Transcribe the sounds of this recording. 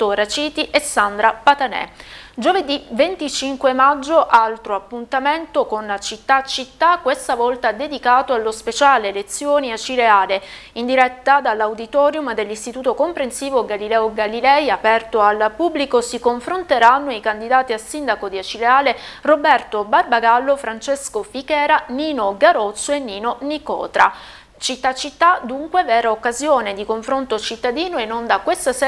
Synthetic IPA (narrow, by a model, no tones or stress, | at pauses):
t̪orat͡ʃiːt̪iʔesːand̪ɾapat̪anɛ̰d͡ʒoved̪ivent̪it͡ʃiŋkwemad͡ʒːoʔalt̪ɾoapːunt̪ament̪okonat͡ʃit̪ːat͡ʃit̪ːakːwest̪avɔlt̪ad̪ed̪ikaːt̪oalːospet͡ʃaːleːlet̪sːjoːniat͡ʃileaːleind̪iɾɛt̪ːad̪alːawd̪it̪ɔːɾjumd̪elːist̪it̪uːt̪okompɾensiːvoɡalilɛːoɡalilɛjapɛrt̪oalpubːlikosikoɱfɾont̪eɾanːoikand̪id̪aːt̪ialsind̪akod̪iat͡ʃileaːlerobɛrt̪obarbaɡalːofɾant͡ʃeskofikɛːɾaniːnoɡaɾot̪sːoenːiːnonikɔ̰ːt̪ɾa | t͡ʃit̪ːat͡ʃːit̪ːad̪uŋkwevɛːɾaokːazjoːned̪ikoɱfɾont̪oat͡ʃit̪ːad̪iːnoenːond̪akwest̪as